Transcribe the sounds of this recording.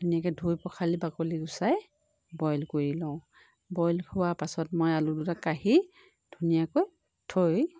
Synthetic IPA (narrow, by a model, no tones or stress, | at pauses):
dʱunijakɛdʱujpɔkʰalibakɔliɡusaj | bɔjlkoɹilɔ̃ʊ̃ | bɔjlkʰʊwapasɔtmojaludutakaɦi | d̥ʱunijakoj | tʰoj